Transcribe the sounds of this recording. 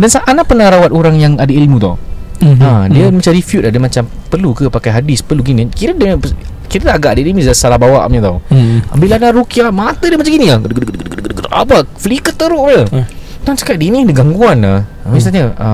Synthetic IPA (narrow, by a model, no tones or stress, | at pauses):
dansaʔanaʔpənaɾawat̪oɾaŋjaŋadailmũt̪a̰wadiəmat͡ʃaɾifjut̪̚adamat͡ʃampərlukəpakajɦadɪspərluɡinikiɾədəə | kiɾədaɡaʔdiədimisasalahbawa̰ʔməɲət̪auabilanaɾukiaʔmat̪ədiəmat͡ʃaŋɡiniadɡdɡdɡdɡdɡdət̪ʔa̰paflikət̪ːəɾʊʔlə | t̪ɔnt͡ʃḁkaʔdinĩdəɡaŋɡuana | misaɲəə